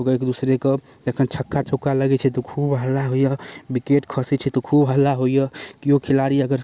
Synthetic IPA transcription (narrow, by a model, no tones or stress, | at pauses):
oɡekd̪usɾekəd͡ʒ̪ekʰənt͡ʃʰəkːat͡ʃʰokːaləɡɛt͡ʃʰɛt̪ɔkʰubɦəlːaɦojəbikeʈkʰəsɛt͡ʃʰɛt̪ɔkʰubɦəlːaɦojəkiokʰilaɾiəɡəɾ